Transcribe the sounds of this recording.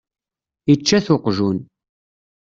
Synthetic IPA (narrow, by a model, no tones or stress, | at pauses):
it͡ʃːæθʊqʒun